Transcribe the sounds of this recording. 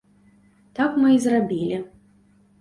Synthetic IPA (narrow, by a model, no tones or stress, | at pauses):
t̪akmɨizrabʲilʲi